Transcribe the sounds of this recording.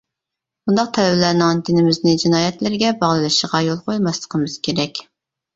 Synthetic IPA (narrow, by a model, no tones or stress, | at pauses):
b̥und̪ɑq̚t̪ʰɛlɛbɪlæɾnɨŋd̪ɪnɪmɪznɪd͡ʒinɑːjɛt̪lɪɾɡʲɛbɑʁlˠɨlˠɨʃəʁɑjolˠqʰojlmɑslˠə̥qʰəmɨz̥kʲeɾɛkʲ